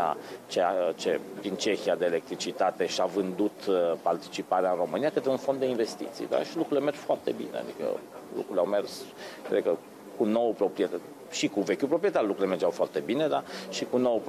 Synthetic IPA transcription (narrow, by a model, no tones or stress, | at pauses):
a̰t͡ʃeat͡ʃed̪int͡ʃe̞xiad̪eːle̞k̚t̪ɾit͡ʃit̪at̪e̞ʃiavɨnd̪ut̪part̪i̥t͡ʃipaɾeaɨnro̞mɨnijakət̪ɾeunfo̞nd̪ːeinve̞st̪ḭt̪sḭd̪a̰ʃilukɾule̞merd͡ʒfoart̪e̞bḭnḛa̰d̪ikə̰lṵkɾuleawmerskɾed̪̚kə | kuno̞wəpɾo̞pɾiet̪ | ʃikuve̞kʲupɾopɾiet̪arlukɾulemerd͡ʒawfoart̪e̞bine̞d̪aʃikunowp